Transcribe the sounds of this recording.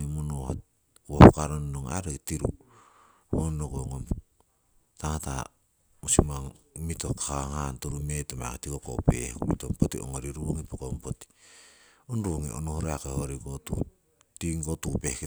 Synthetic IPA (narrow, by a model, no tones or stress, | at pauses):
emonoha | kohokaɾonnoŋa̰ɾektiɾu | honːokoŋom | taŋata | osimaŋmito̞hkaaŋantoɾumetoma̰a̰ketikoko̰pḛhkumitompotio̰ŋoɾiɾuoŋipokompoti̥ | onɾuoŋiʔo̰nohoɾeakehoɾikotṵ | tiŋkotupehk